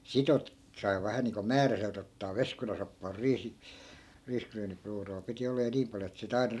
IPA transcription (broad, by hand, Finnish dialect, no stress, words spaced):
sit ote sɑi̯ ʋæhæ niːŋko mæːræselt otːɑː ʋeskunɑsopːɑː riːsi riːskryːnipruːroː piti olːɑ jɑ niːm pɑljo et sit ɑinɑ